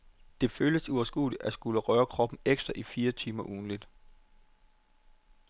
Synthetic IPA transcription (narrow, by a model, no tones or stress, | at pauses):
d̥e̝føljəsuɒsɡ̥ṵːli̥ʔæsɡ̥uləʁœːɐkʰʁɒ̽b̥n̩eɡ̥sd̥ʁɐʔifiːɐt͡sʰiːmɐʔuːn̩lid̥